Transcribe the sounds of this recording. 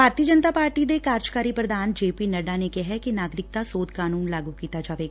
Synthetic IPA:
bʱaːɾt̪iːəd͡ʒənt̪aːpaːɾʈid̪ekaːɾd͡ʒkaːɾipɾəd̪aːnd͡ʒeːpiːnəɖanekɛɦɛkinaːɡɾɪk̚t̪asoːd̪kaːnuːnlaːɡukiːt̪ad͡ʒaːʋeːɡaː

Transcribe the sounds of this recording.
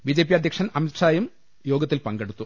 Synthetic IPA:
biːd͡ʑe̞ːp̬ːijɐd̪ʱjɐkʂɐnɐmit̪ʂaːjum | jo̞ːɡɐt̪ːilpɐŋɡeɽut̪ːu

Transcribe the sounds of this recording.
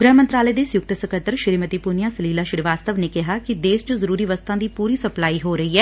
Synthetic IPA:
ɡɾəɦmənt̪ɾaːləeːd̪eːsjʊk̚t̪səkət̪ːəɾʃɪɾmət̪iːpʊnɪjãːsəliːlaːʃɪɾʋaːst̪əʋneːkɪɦaːkɪd̪eːst͡ʃʊzəɾuːɾiːʋəst̪ãːd̪iːpuːɾiːsəplaːiːɦoːɾəiːɛː

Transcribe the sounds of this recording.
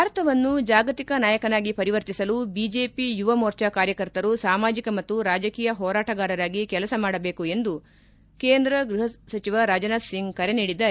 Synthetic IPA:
bʱaːɾɐt̪ɐʋɐnːud͡ʒaːɡɐt̪ikɐnaːjɐkɐnaːɡipɐɾiʋɐɾt̪isɐlubiːd͡ʒe̞ːpijuʋɐmoːɾt͡ʃɐkaːɾjɐkɐɾt̪ɐɾusaːmaːd͡ʒikɐmɐt̪ːuɾaːd͡ʒɐkiːjɐɦɔːɾaːʈɐɡaːɾɐɾaːɡikɛlɐsɐmaːɽɐbe̞ːkue̞nd̪u | ke̞ːnd̪ɾɐɡɾuɦɐsɐt͡ʃiʋɐɾaːd͡ʒɐnaːd̪siŋɡkɐɾeniːɽid̪aː

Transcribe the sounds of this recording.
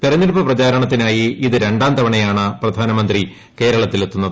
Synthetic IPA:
p̪irɐɲːilpɐprɐt͡ɕaːɾɐɳɐt̪ːinaːjiiðɨɾe̞ɳɖaːnd̪ɐʋɐɳɐjaːɳɨprɐd̪ʱaːnɐmɐnd̪ri | ke̞ːɾɐɭɐt̪ːilet̪ːunːɐðɨ

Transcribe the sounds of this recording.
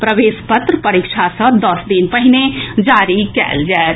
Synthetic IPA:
pɾəʋeːspət̪ɾəpɐɾikʃʰasə̃d̪ɐsd̪inpəɦɪned͡ʒaːɾikɛ̰ːld͡ʒɛː

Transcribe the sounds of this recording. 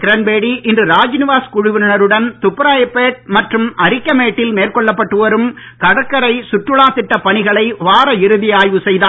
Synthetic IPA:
kɪɾɐnbeːɽiʔɪndrɯɾaːd͡ʒnɪʋaːskʊɻʊʋɪnɪnɐɾɯɽɐnt̪ʊpːɐɾaːjɐpːeːʈ̚mɐʈrɯmʔɐɾɪkʲːɐmeːʈːɪlmeːrkɔɭːɐpːɐʈːɯʋɐɾɯm | kɐɽɐkːɐɾɐɪsʊʈrɯɭaːsɪʈːɐpɐɳɪɣɐɭɐɪʋaːɾɐɪɾɯðɪjaːjʋɯsɛjðaː

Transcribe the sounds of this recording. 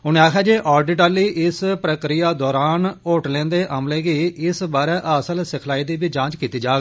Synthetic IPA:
ʊnẽːaːkʰaːd͡ʒeːʔɔːɾɖɪʈəɾliːʔɪspɾəkɾijaːd̪ɔːɾaːnoːʈlẽːnd̪eːʔəmleːɡiːɪsbaːɾɛːʔəsəlsɪkʰlaːiːd̪iːbiːd͡ʒãːt͡ʃkiːt̪iːd͡ʒaːɡ

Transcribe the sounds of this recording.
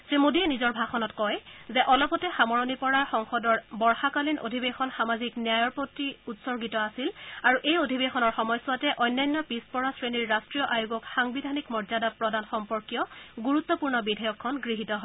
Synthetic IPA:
sɹimodiɛnizɔɹbʱaxɔnɔtkɔjzɛʔɔlɔpɔtɛxamɔɹɔnipɔɹaxɔŋxɔdɔɹbɔɹxakalinʔo̰dʱibexɔnxamaziknijajɔɹpotːiutsɔɹɡitɔasilaɹuʔejodʱibexɔnɔɹxɔmɔjsʊwatɛʔɔjnːajnːɔpispɔɹasɹeniɹːastɹijɔʔajuɡɔkxaŋbidʱanikmɔɹzadapɹɔdanxɔmpɔɹkijɔɡuɹut̪ːɔpuɹnɔbidʱɔjɔkʰːɔnɡɹiɦitɔɦɔ

